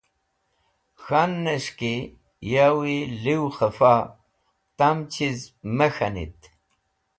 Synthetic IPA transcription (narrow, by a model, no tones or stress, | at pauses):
xanːɐʂki | jawiliwxɐfa | t̪amt͡ɕʰizmɐxɐnḭt̪